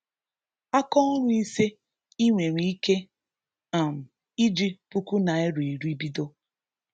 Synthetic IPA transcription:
a˦kɔ˦ɲʷ˦i˦se˦ | i˦ŋʷe˨ɾi˨i˦ke˦ | a˨m̩˨ | i˦d͡ʒi˦pu˦ku˦na˨e˦ɾe˨i˨ɾu˦i˦bi˦do˦

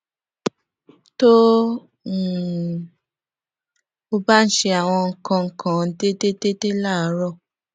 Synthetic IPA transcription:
to˦˨ | o˧ba˦n̩˦ʃe˧a˨w̃ɔ̃˧ŋ̩˨kã˧ŋ̩˨kʰã˨n̩˦de˦de˦de˦de˦la˦˨˦ɾɔ˦˨

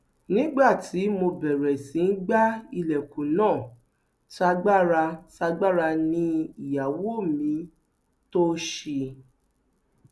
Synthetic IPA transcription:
nĩ˦ɡ͡ba˦˨tʰi˨˦mo˧bɛ˨ɾɛ˨sĩ˨˦n̩˦ɡ͡ba˦i˧lɛ˨kũ˨nãː˦˨ | ta˧ɡ͡ba˦ɾa˧ta˧ɡ͡ba˦ɾa˧nĩ˦i˨ja˨wo˦˨mĩ˨˦ | to˦ʃi˧

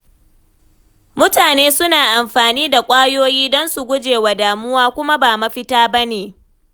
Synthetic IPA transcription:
mʊ˦taː˨neː˦sʊ˦naː˨ʔa˨mɸaː˨niː˦da˨kʷʼaː˦joː˦jiː˦dɔ˦nsu˨ɡʷʊ˦d͡ʒeː˨wa˨daː˨mʊ˦waː˦kʷʊ˦ma˦baː˨mɐ˦ɸɪ˦taː˦bɐ˦neː˨

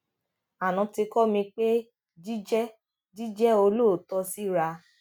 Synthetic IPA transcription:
a˨nã˨˧ti˧kɔ˦mĩ˧k͡pe˦ | d͡ʒi˦d͡ʒɛ˦ | di˦d͡ʒɛ˦o˧lo˦˨tɔ˧si˦ɾa˧

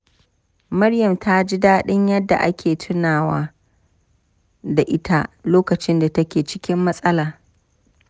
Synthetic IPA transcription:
mɐ˦ɽjɐ˨mtʰa˦d͡ʒi˦daː˦ɗɪ˦ɲjɐ˦dːa̰˨ʔa˦kʲʰeː˨tʰʊ˦naː˨waː˦ | da˨ʔɪ˦tʰa˦loː˦kɐ˨t͡ʃɪ˦nda˨tɐ˦kʲeː˨t͡ʃɪ˦kʲɪ˦mːɐ˦sʼɐ˦laː˨

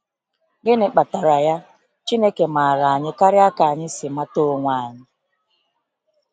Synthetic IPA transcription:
ɡɪ˦nɪ˨k͡pa˨ta˨ɾa˨ja˦ | t͡ʃi˦ne˦ke˨ma˨a˨ɾa˨a˨ɲɪ˦ka˦ɾɪ˦a˦ka˨a˨ɲɪ˦sɪ˨ma˦to˦˨ŋʷa˨a˨ɲɪ˦

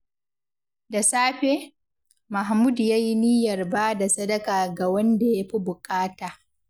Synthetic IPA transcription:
da˨saː˦ɸeː˦ | ma˨ɦmuː˦djaː˦ji˦niː˦jɐ˨rbaː˦da˨sɐ˦dɐ˦kaː˨ɡa˨wɐ˦nda˨ja˦ɸi˦bʊ˨kʼaː˦taː˨

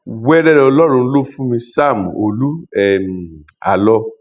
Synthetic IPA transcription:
wɛ˦ɾɛ˦ɾɛ˧ɔ˧lɔ˦ɾ̃ũ˧˦lo˦fũ˦mĩ˧sa˦˨mũ˨o˨lu˦ɛ˨m˨ | a̰˨lɔ˧

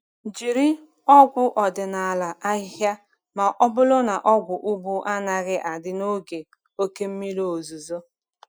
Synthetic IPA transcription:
d͡ʒi˨ɾi˦ | ɔ˦ɡʷʊ˦ʔɔ˨dɪ˨na˨a˨la˨ʔa˦ɪ˦ɦja˦ | ma˨ʔɔ˦bʊ˦lʊ˦na˨ʔɔ˦ɡʷʊ˨ʔu˦bu˦ʔa˦na˨ɣɪ˦ʔa˨dɪ˦no˦ɡe˨ | o˦ke˦m̩˦mi˦lo˨o˨zu˨zo˦

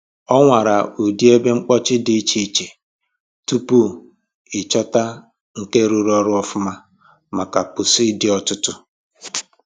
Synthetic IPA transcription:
ɔ˦ŋʷa˨ɾa˨u˨di˦e˦be˦ŋ͡m̩˦k͡pɔ˦t͡ʃɪ˦dɪ˨˦t͡ʃi˦t͡ʃe˨ | tu˦pu˦ | ɪ˨t͡ʃɔ˦ta˦ | ŋ̩˦ke˦ɾu˦ɾɔ˦ɾʊ˦ɔ˦fʊ˦ma˦ | ma˨ka˨pʊ˨si˦dɪ˦ɔ˦tʊ˦tʊ˦

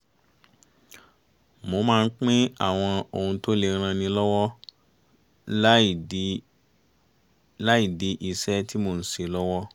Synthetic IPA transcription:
mo˧˦mãː˦˧n̩˦k͡pĩ˦a̰˦˨w̃ɔ̃˧o˨hũ˧to˦le˧˨˧ɾ̃ã˧nĩ˧lɔ˦wɔ˦˨ | la˦i˦˨di˨˦ʔi˦˨sɛ˦tʰi˦mo˧˨n̩˦se˨lɔ˦wɔ˦

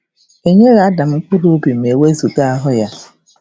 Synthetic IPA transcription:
e˦ɲe˦ɣa˨a˦da˨m̩˦k͡pʊ˦ɾo˦bi˨m̩e˨we˦zu˨ɡa˦a˦ɦʊ˦ja˦

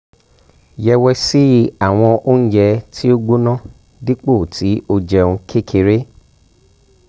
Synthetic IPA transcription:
jɛ˧wɛ˧si˦a˦˨w̃ɔ̃˧ʔo˦n̩˦d͡ʒɛ˧tʰi˦o˦ɡ͡bo˦nã˦˨ | di˦k͡po˦˨tʰi˨˦o˧d͡ʒɛ˧ũ˧kʰe˦˨kʰe˧ɾe˦

